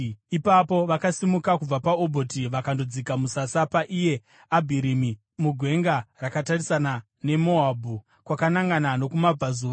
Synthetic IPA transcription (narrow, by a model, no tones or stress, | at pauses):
ipapo̞ʋakasimukakub͡vapaobʱo̞tiʋakandod͡zikamusasapaʔije̞ | abʱiɾimi | muɡʱwe̞ŋɡarakatarisana | ne̞mo̞abʱu | kwakanaŋɡanano̞kumab͡vazuː